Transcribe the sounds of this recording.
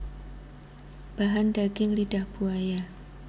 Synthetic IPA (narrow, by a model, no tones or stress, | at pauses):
b̥aɦandaɡɪŋlidahb̥uaja